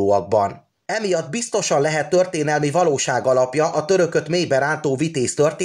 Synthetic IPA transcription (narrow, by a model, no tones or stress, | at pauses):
oːɒɡ̚bɒn | ɛmijɒd̪bist̪o̞ʃɒnlɛɦɛt̪ːø̞rt̪eːnɛlmivɒloːʃaːɡɒlɒpjɒʔɒt̪øɾø̞kø̞t̪meːjbɛɾaːnt̪oːvit̪eːst̪ø̞rt̪eː